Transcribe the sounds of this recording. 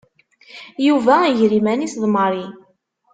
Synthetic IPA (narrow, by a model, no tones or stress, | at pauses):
juvæiʝɾimænisðˤməɾˤi